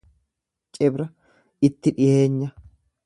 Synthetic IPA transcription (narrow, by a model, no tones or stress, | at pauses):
t͡ʃʼɛbɾɐ | ɪt̪ːɪᶑɪhe̞ːɲːɐ